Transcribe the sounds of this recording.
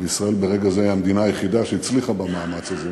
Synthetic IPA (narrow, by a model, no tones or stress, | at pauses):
veisʁaelbeʁe̞ɡazeiamd̪inaːjeχid̪aʃeit͡sliχabamaːmat͡saze